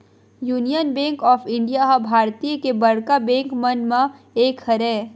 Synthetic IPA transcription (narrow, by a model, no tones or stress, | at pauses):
juːnijənbɛ̃ːŋkɔːfʰɪ̃ɳɖijaɦabʱaːɾt̪ijəkebɐɽkabɛ̃ːŋkmɐnmã | eːkhɐɾɛː